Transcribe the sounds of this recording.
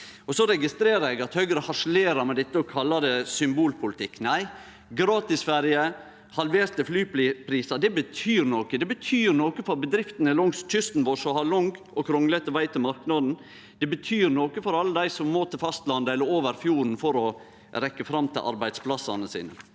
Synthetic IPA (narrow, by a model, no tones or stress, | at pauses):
ɔsɔɾɛɡɪst̪ɾeːɾəɛɡɑt̪hœʏɡɾəhɑʂleːɾɑɾmɛd̪ɛt̪ːəɔkʰɑlːɑd̪ɛsʏmbuːlpʰʊlɪt̪ʰɪkːnæɪ | ɡɾɑːt̪ɪsfæɾjə | hɑlʋeːst̪ɪflyːplipʰɾiːsɑd̪ɛbət̪ʰyːɾnoːkəd̪ɛbət̪ʰyːɾnoːkəfɔɾbəd̪ɾɪft̪ənɛlɔŋst̪ʰʏst̪n̩ʋɔʂɔhɑlʊŋɡ | ɔkʰɾɔŋlət̪ɛʋæɪt̪ʰɪlmɑɾknɑd̪n̩ | d̪̥ɛbət̪ʰyːɾnoːkəfɔɾɑlːəd̪æɪsɔmːoːt̪ʰɪlfɑst̪lɑnd̪əɛlːəɾoːʋəɾfjuːɾn̩fɔɾɔ | ɾɛkːəfɾɑmːt̪ʰɪlʔɑ̰ɾbæɪd̪spʰlɑsːɑ̰nəsḭːnə̰